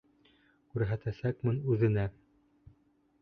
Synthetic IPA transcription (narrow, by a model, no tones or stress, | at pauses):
kʉɾɦæt̪æsækmɘnʉðɘ̆næ